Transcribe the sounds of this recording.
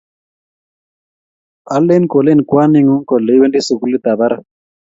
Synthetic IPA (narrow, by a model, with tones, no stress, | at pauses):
a˦lːe˦nko˨le˦nkwa˦ni˦ŋu˦ŋkɔ˨le˨˦we˦ndi˦su˨ku˦li˦t̪a˨ba˦ɾa˨